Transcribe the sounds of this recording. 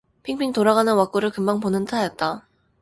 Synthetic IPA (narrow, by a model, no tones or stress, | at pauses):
pʰiŋpʰiŋtoɾaɡanɯnwak͈uɾɯɭkɯmbaŋponɯntʰajʌt̚t͈a